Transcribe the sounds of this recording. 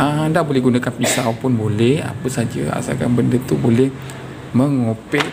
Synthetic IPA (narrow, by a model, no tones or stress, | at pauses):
ʔəndaʔbolɛɦɡunakanpisawpʊnbolɛha̰pəsad͡ʒə̰a̰sa̰ka̰nbəndət̪ubolɛh | məŋopɛʔ